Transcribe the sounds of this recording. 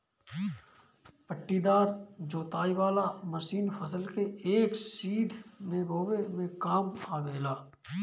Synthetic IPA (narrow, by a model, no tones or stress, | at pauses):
pəʈːid̪aːɾd͡ʒoːt̪aːiʋaːlaməʃiːnfʰəsəlkeeːksiːd̪ʱmeːbʱoːwemẽkaːmaːbeːlaː